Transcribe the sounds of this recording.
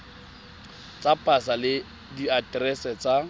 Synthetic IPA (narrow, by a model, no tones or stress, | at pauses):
t͡sʼapʼasalɪ | diatrɛsɛt͡sa